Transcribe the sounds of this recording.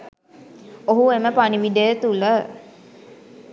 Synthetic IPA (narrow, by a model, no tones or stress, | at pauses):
oɦueməpaniʋiɖ̪əjət̪ulə